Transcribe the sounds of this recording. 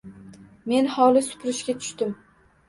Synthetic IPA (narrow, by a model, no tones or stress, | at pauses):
me̞nhɒlˠɪsʊ̥pʰɾɪʃɡʲat̪ʰʊ̥ʃt̪ɪm